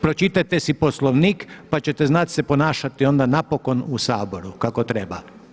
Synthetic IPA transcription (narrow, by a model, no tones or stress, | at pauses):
pɾot͡ʃit̪at̪e̞sipo̞slˠoʋniːkpat͡ɕe̞t̪eznat̪sepo̞naːʃat̪io̞nd̪anapo̞ko̞nusaːbo̞ɾukako̞t̪ɾeba